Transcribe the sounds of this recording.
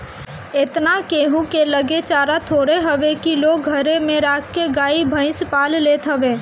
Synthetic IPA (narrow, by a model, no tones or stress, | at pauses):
ɪt̪nakeːɦũkeləɡet͡ʃaːɾat̪ʰoːɽeɦəʋekiloːɡ̚ʱəɾemẽɾaːkkeɡaːibʱə̃ɪ̃spaːlleːt̪ʰɦəʋeː